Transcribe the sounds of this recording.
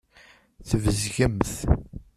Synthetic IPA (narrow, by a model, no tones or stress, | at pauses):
θəvəzʝəmθ